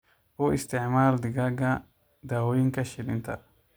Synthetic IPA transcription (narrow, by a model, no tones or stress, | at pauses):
oɪst̪ɪʕmaːld̪ɪɡaɡɐ | d̪aːwɔjɪŋkɐʃɪlɪnt̪ʰɐ̰